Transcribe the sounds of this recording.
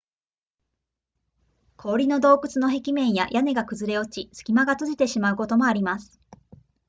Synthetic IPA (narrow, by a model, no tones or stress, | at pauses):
kʰo̞ːɾʲino̞d̪o̞ːkɯ̟t͡sɨno̞ɦe̞kʲimẽ̞ɰ̃ja̰jane̞ɡakɯ̟zɨɾe̞o̞t͡ɕisɨ̥kʲimaɡat͡sɨʑit̪e̞ɕimaɯ̟ko̞t̪o̞mo̞aɾʲimasɨ̥